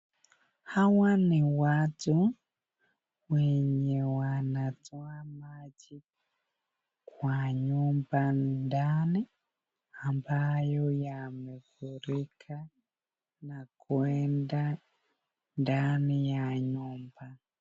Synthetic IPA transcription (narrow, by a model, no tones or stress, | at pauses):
hawaniwatu | weɲewanad͡zwamad͡ʒi | kwaɲumbanndani | ambajojamekuɾikʰa | nakwenda | ndanijaɲuːmba